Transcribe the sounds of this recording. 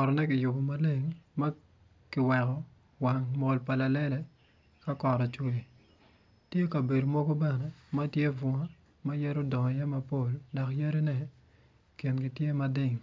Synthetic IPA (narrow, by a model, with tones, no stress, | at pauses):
kɔ˨ɾɔ˨nɛ˦kɪ˨jʊ˨bo˨ma˦le˦˨ŋma˦ | kɪ˨wɛ˨kɔ˨ | wa˨ŋmo˨lpa˨la˨lɛ˦lɛ˦ | ka˦kɔ˨ɾɔ˨t͡ʃwe˨ | tje˦ka˨be˨do˨mɔ˦ɡo˦bɛ˦nɛ˨ma˦tje˦vɔ˨ŋa˦ | ma˦ja˦ɾo˦dɔ˨ŋɔ˨ja˦ma˨po˦˨lda˨kja˦ɾe˦nɛ˦ | kɪ˨nkɪ˨tje˦ma˦dɪ˦˨ŋ